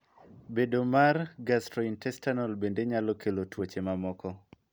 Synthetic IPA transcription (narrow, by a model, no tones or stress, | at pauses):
bedomarɡastɾɔintɛstanɔlbendeɲalɔkʰelotwot͡ʃemamɔkɔ